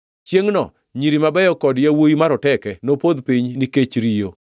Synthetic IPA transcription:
t͡ʃjeŋnɔ̰ | ɲiɾimabɛjɔkɔdjawoimaɾɔtɛkɛnopod̪piɲniket͡ʃɾijo

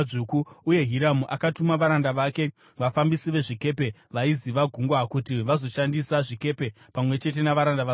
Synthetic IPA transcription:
ukuuje̞ɦiɾamuʔakatumaʋaɾandaʋake̞ | ʋafambisiʋe̞ʐike̞pe̞ʋaiziʋaɡʱuŋɡwakutiʋazo̞ʃandisaʐike̞pe̞ | pamwe̞t͡ʃe̞t̬e̞naʋaɾandaʋa

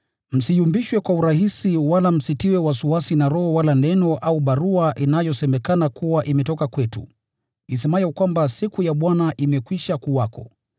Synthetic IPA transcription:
m̩sijumbiʃwɛkwauɾahisiwalam̩sitiwɛwasuwasinaɾɔhɔwalanɛnɔʔauɓaɾuaʔinajɔsɛmɛkanakuwaʔimɛtɔkakwɛtṵ | is̬ɛmajɔkwambasikujaɓwanaʔimɛkwiʃakuwakɔ̰

